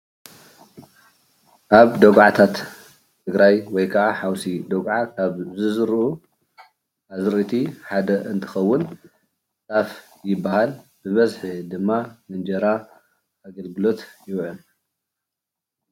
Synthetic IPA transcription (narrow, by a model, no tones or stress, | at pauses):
ʔaβd̪ɐɡʕat̪ʰat̪ːʰ | ɨɡɾajwɔjkʰɐʔaħawsid̪oɡʕakʰaβzɨzɨɾʔu | ʔazɾit̪ʰiħad̪ɐɨnt̪ʰɨ̥xɐwːʊn | t͡sʼaf | jɪbːahalbɨβɐzħɨd̪ɨmːamɨnd͡ʒɐɾa | ʔaɡɐlɡɨlo̞t̪jɪwʕun